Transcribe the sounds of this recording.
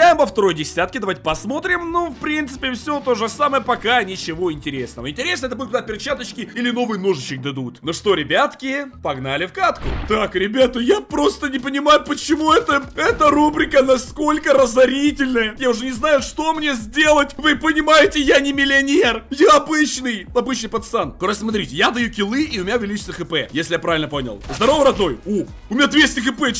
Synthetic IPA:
ajɪmpəft̪ɐɾo̞jdʲɪsʲat̪kʲɪd̪ɐvatʲɪpɐsmo̞t̪ɾʲɪmnofpɾʲint̪sɨ̥pʲɪfsʲot̪o̞ʐɨsaməjəpɐkanʲɪt͡ɕɪvo̞ɪnʲtʲɪɾʲesnəvəɪnʲtʲɪɾʲesəɛt̪əbud̪ʲʊt̪̚kɡd̪apʲɪrt͡ɕat̪ət͡ɕʲkʲɪilʲɪno̞vɨjənoʐɨt͡ɕːɪk̚d̪ɐd̪ut̪noʂt̪o̞ɾʲɪbʲat̪kʲɪpɐɡnalʲɪfkat̪kʊ̰t̪akɾʲɪbʲat̪əjapɾo̞st̪ənʲɪpənʲɪmajʊpət͡ɕɪmuɛt̪əɛt̪əɾubɾʲɪkənɐsko̞lʲkəɾəzɐɾʲitʲɪlʲnəjəjaʊʐɛnʲɪznajʊʂt̪o̞mnʲezʲdʲe̞lˠətʲvɨpənʲɪmajɪtʲɪjanʲɪmʲɪlʲɪɐnʲerjaɐbɨt͡ɕnɨjɐbɨt͡ɕnɨjpɐt̪st̪ankɐɾosʲsmɐt̪̬ɾʲitʲɪjad̪ɐjukʲɪlˠɨiʊmʲɪnʲavʲɪlʲit͡ɕɪ̥səxɨpɛ̰jesʲlʲɪjapɾavʲɪlʲnəponʲɪ̰lˠzd̪ɐɾovəɾɐd̪no̞ju | ʊmʲɪnʲad̪vʲesʲtʲɪxɨpɛ

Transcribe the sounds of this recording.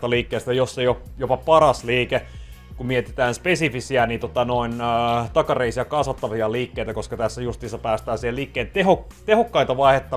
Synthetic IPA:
t̪ɑliːkːeːst̪æjosːejop | jopɑpɑrɑsliːkekumiet̪e̥t̪æːnspesifisiɑnit̪ot̪ɑnoinːt̪ɑkɑreisiɑkɑsʋɑt̪ːɑʋiɑliːkːeit̪ækoskɑt̪æsːæjust̪iːsːɑpæːst̪æːnsiheliːkːeːnt̪ehok | t̪ehokːɑint̪ɑʋɑihet̪ːɑ

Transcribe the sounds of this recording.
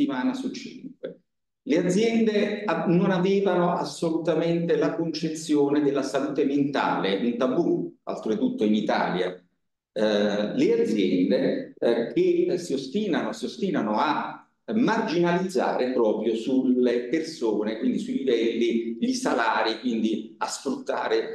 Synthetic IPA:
imaːnasut͡ʃːḭŋkwe | lead̪zːjɛnd̪eanonaveːvanoʔasːolut̪ament̪elakont͡ʃet̪sːjoːned̪elːasaluːt̪ement̪a̰ːleunt̪abua̰lt̪ɾit̪ut̪ːoinit̪a̰ːlja̰ | lead̪zjɛnd̪ekesiost̪iːnanosiost̪iːnanoa | mːard͡ʒinalid̪zːa̰ːɾepɾɔːpɾjosulepersoːnekwind̪isuilivɛlːiʎisalaːɾikwind̪i | asfɾut̪ːa̰ːɾe

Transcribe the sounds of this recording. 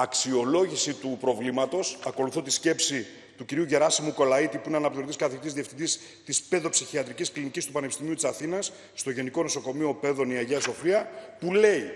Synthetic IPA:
ɐksio̞lo̞ʝisit̪upɾo̞vlimɐt̪o̞sɐko̞luθot̪isce̞psi | t̪uciɾiuʝe̞ɾɐsimuko̞lɐit̪ipuineɐnɐpt̪iot̪iskɐθet̪izðie̞fθind̪is | t̪ispe̞ðo̞psiçiɐt̪ɾicisklinicist̪upɐnepist̪imiut̪isɐθinɐsː | t̪o̞ʝe̞niko̞no̞so̞ko̞mio̞pe̞ðo̞niɐʝeɐso̞fiɐpule̞i

